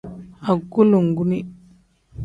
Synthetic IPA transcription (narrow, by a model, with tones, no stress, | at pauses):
a˨ɡu˦lu˨ŋɡu˦ni˦